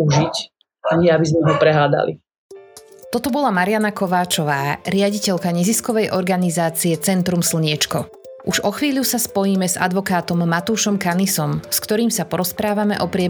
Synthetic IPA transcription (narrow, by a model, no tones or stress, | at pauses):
uʒic | aɲɪɛabizmɛɦɔpɾɛɦaːd̪a̰lḭ | t̪ɔt̪ɔbɔlamaɾɪanakɔʋaːt͡ʃɔʋaːɾɪaɟicɛʎkaɲɛziskɔʋɛjʔɔɾɡanizaːt͡siɛt͡sɛnt̪ɾumsl̩ɲɪɛt͡ʃkɔ | ʔuʒɔxʋiːʎusaspɔjiːmɛza̰d̪ʋɔkaːt̪ɔmːat̪uːʃɔmkanisɔmskt̪ɔɾiːmsapɔɾɔspɾaːʋamɛ̰ʔɔpɾɪɛ